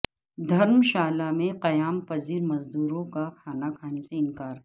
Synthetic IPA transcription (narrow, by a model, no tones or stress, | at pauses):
d̪ʱɐɾmʃaːlamẽqɐjaːmpɐziːɾmɐzd̪uːɾõkakʰaːnakʰaːneseɪ̃nkaːɾ